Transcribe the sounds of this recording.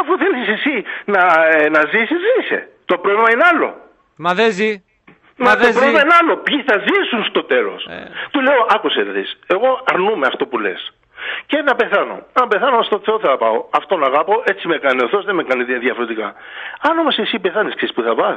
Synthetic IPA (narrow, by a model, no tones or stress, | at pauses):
ɐfuθelisisisinɐnɐzisizisḛt̪o̞pɾovlimɐineɐlo̞̰ | ðe | mɐopɾovlimɐineɐlo̞pçiθɐzisunst̪o̞t̪e̞lo̞̰st̪ule̞oʔɐkuseððḭse̞ɣo̞ɐɾnumeɐft̪o̞pule̞̰s | ce̞nɐpe̞θɐno̞̰nɐpe̞θɐnomɐst̪ot̪iseoθɐɐpɐoɐft̪o̞nɐɣɐpo̞ʔe̞t͡simekɐnioθo̞zðemekɐniðjɐfo̞ɾet̪ikɐɐnomosisipe̞θɐnisksispuθɐvɐ